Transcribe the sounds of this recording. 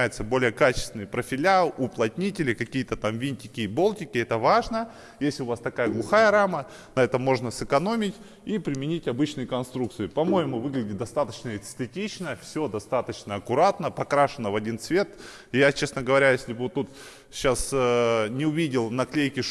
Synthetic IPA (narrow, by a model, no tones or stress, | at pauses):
jɪt̪səbo̞lʲɪjəkat͡ɕɪ̥st̪ʲɪnɨjpɾəfʲɪlʲaʊplˠɐt̪ʲnʲitʲɪlʲɪkɐkʲijət̪ət̪amvʲinʲtʲɪkʲɪbo̞lˠtʲɪkʲɪɛt̪əvaʐnə | jesʲlʲɪʊvast̪ɐkajəɡlˠʊxajəɾamə | nɐɛt̪əmːo̞ʐnəsɨkɐno̞mʲɪtʲ | ipɾʲɪmʲɪnʲitʲɐbɨt͡ɕnɨjɪkɐnst̪ɾuk̚t̪sɨɪpɐmo̞jɪmʊvɨɡlʲɪdʲɪt̪̚d̪ɐst̪at̪ət͡ɕnəɛst̪ɨtʲit͡ɕnəfsʲo̞d̪ɐst̪at̪ət͡ɕnəɐkʊɾat̪nəpɐkɾaʂɨnəvɐdʲint̪svʲe̞t̪ | jat͡ɕe̞snəɡəvɐɾʲajesʲlʲɪbvot̪ːut̪ | ɕːasnʲɪʊvʲidʲɪlˠnɐklʲejkʲɪʂ